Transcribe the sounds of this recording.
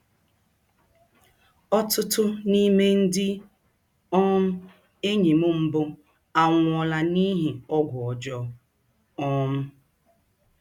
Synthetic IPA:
ɔ˦tʊ˦tʊ˦ni˦me˦n̩˦dɪ˦ | ɔ˦m̩˦ | e˦ɲi˨mʊ˦m̩˦bʊ˦ | a˨ŋʷ˨ɔ˨la˨ni˦ɦi˨ɔ˦ɡʷʊ˨ɔ˨d͡ʒɔ˦ | ɔ˦m̩˦

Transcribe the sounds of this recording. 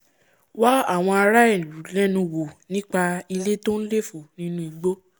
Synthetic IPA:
wa˦a˦˨w̃ɔ̃˧a˧ɾa˦i˦˨ɾu˨˦lɛ˦nũ˧wo˨nĩ˦k͡pa˧i˧le˦to˦n̩˦le˦˨fo˨nĩ˨˦nũ˦i˧ɡ͡bo˦

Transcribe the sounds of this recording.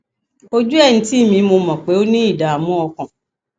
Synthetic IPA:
o˦d͡ʒu˦ɛ˦˨ñ̩˦ti˦˨mĩ˧mo˧mɔ̃˨k͡pe˨˦o˦nĩ˦i˦˨da˨a˨mɔ̃˨˦ɔ˧kã˨

